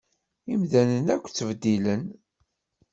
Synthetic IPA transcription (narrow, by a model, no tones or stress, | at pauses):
imðænənækʷːt͡sːəvd̪ilən